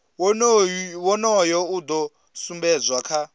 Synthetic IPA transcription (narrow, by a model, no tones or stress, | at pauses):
wɔnɔjɔud̪ɔ | sumbɛd͡zʷwakʰa